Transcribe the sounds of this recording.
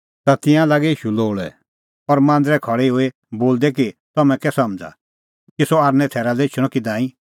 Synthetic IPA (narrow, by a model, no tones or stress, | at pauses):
t̪at̪ɪ̃jãlaːɡɛiːʃuloːɭɛ̰ | ɔɾmãːnd̪ɾɛkʰɔɽeɦoe | boːld̪ɛkit̪ɔmɛ̃kɛsɐmd͡za̰ | kisɔaːɾnɛ̃t̪ʰɛːɾalɛɪt͡ʃʰʊɽ̃ɔkid̪ãːĩ